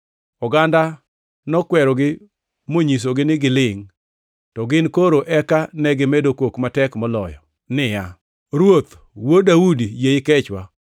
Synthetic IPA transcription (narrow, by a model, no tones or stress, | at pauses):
ɔɡanda | nɔkwɛɾɔɡɪ | moɲis̬oɡɪnɪɡɪlɪŋ | tɔɡɪnkoɾoʔɛkanɛɡɪmedokwokmatɛkmɔlɔ̰jɔ̰ | nɪja | ɾwot̪ | wodaudijeɪkɛt͡ʃwa